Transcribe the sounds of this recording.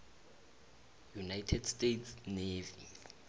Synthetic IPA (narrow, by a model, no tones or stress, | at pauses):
junajtʰɛdstʼetʰsnevi